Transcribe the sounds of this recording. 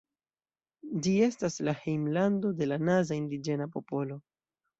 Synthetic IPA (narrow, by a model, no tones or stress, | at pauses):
d͡ʒie̞staslahejmlando̞de̞lanazaindid͡ʒe̞napo̞po̞lo̞